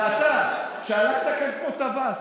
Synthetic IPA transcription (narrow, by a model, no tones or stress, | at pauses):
at̪a | ʃeanaχt̪akaɾkot̪avas